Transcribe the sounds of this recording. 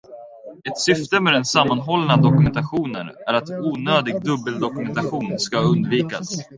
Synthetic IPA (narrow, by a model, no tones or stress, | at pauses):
ɛt̪sʏft̪əmɛd̪ɛnsamːanɦɔlnad̪ɔkɵmɛnt̪aɧuːnə̰næɾat̪uːnøːd̪ɪɡ̚d̪ɵbːəld̪ɔkɵmɛnt̪aɧuːnskaɵnd̪viːka̰s